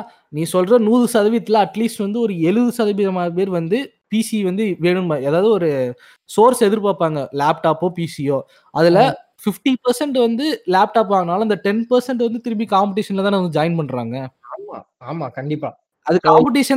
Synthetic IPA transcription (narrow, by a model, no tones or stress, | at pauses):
nĩːsɔlɾɐnuːðɯsɐðɐʋɪjɐt̪ːɪlɐɐʈliːsʈʋɐnd̪ɯɔɾɯɛɻɯðɯsɐðɐʋɪðɐmaːðɯpeːɾʋɐnd̪ɯ | piːsiʋɐnd̪ɯʋeːɳɯmɐeːðaːʋðɯɔɾɯ | soːɾsɛðɪɾpaːpaːŋɡɐlaːp̚ʈaːpːoːpiːsijoː | ʔɐðɪlɐ | fɪfʈipɐɾsɛɳʈʋɐnd̪ɯlaːp̚ʈaːp̬ʋaːɣɐnaːlɐɐnd̪ɐʈɛnpɐɾsɛɳʈʋɐnd̪ɯt̪ɪɾɯpikaːmpɐʈiːʂɐnɪlɐt̪ãːɐʋɐnɯd͡ʒɐːɪnpɐɳːɾa̰ːŋɡɐaːma̰ː | aːmaːkɐɳɖɪpːaː | ɐðɯkːaːmpɐʈ̬iːʂɐ